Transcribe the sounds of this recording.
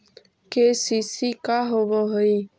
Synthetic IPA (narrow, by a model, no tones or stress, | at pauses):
kesisikaɦoʋoɦoi